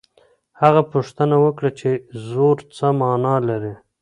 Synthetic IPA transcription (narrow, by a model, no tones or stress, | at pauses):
haɣapuʂt̪ənawəkɽat͡ʃezoɾt͡səmɑnɑlaɾi